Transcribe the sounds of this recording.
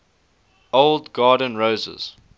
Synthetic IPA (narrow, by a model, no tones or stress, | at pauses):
oʊlˠdɡɑːdə̃nɹoʊzə̰z̥